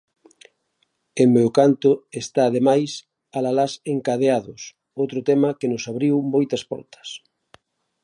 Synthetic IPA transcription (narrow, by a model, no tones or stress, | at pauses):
emmewkant̪ʊest̪aːðemajs | alalaseŋkaðeaðʊs | owt̪ɾʊt̪ɛmɐkenʊsaβɾiwmojt̪ɐspɔ̰ɾt̪ɐ̥s